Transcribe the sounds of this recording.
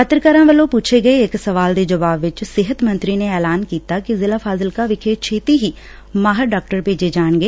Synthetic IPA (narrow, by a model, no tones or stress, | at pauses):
xət̪ɾkəɾãːʋəlõpuːt͡ʃʰeɡɐeɪksɐʋaːld̪ed͡ʒɐʋaːbʋɪt͡ʃsɪɦət̪mə̃nt̪ɾineɛːlaːnkiːt̪akizɪlaːfʰaːzəlkaʋɪkʰeːt͡ʃʰeːt̪iɦiː | maːɦəɾɖaːk̚ʈəɾpeːd͡ʒed͡ʒaːɳɡeː